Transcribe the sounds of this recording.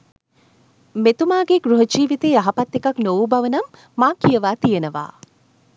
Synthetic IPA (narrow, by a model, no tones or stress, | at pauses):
met̪umaːɡeɡɾuɦəd͡ʒiːʋit̪eːaɦɐpɐt̪ːekɐknoʋubɐʋənɐmː | aːkijəʋaːt̪ijənəʋa̰ː